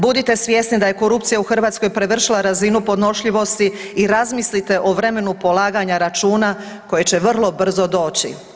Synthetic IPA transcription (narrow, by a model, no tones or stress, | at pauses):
bud̪it̪e̞sʋje̞snid̪aje̞ko̞ɾupt̪sijauxr̩ʋaːt̪sko̞jpɾe̞ʋr̩ʃilˠaɾazinupo̞d̪no̞ʃʎiʋo̞st̪iiɾazmislit̪e̞ʔoʋɾe̞me̞nupo̞lˠaːɡaɲaɾat͡ʃuːna | ko̞je̞t͡ɕe̞ʋr̩lˠo̞br̩zo̞d̪o̞ːt͡ɕḭ